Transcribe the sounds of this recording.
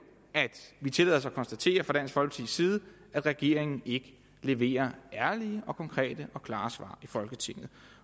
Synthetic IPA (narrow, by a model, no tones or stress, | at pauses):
æd̥ʋit͡sʰe̝lɛ̰ð̰ˠɐs̬kʰɒ̽nsd̥æt͡sʰe̝̰ːɐfʁɑ̈d̥æn̰sɡ̥fɒ̽lɡ̥ə̥t͡sʰiðˠsiːð̞̩ˠ | æd̥ʁɛɡ̥e̝ɐ̰e̝ŋn̩e̝ɡ̥ə | le̝ʋe̝̰ːɐæɐliəʔɒ̽kʰɒ̽ŋkʰʁɛ̰ːd̥əʔɒ̽kʰlɑ̈ːsʋɑ̰̈ːifɒ̽lɡ̥ət͡sʰe̝ŋ̰ð̩ˠ